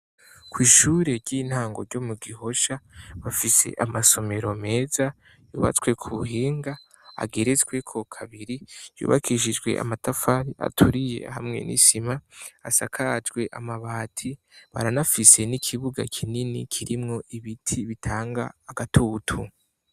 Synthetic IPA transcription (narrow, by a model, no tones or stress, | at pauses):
kwiːʃuːɾe̞ɾɟiːn̥haːŋɡo̞̰ɾɟo̞muɡiho̞ʃaβafise̞̰ʔamaso̞me̞ɾome̞ːza | juːβa̰t͡swe̞kʰuɦiːŋɡa | a̰ɡeɾe̞t͡sɡwe̞kʰo̞kʰaβiɾijṵːβa̰kʰiʃid͡ʒɡwḛʔa̰matafaɾiʔa̰tʰuɾije̞̰hamŋe̞̰nʔḭsimaasa̰kʰad͡ʒɡwe̞ʔamaβaːtʰiβa̰ɾanafise̞nikʰiβuɡa̰kʰininḭkʰiɾimŋo̞ʔiβitʰiβitʰaːŋɡa̰ːɡatʰutʰu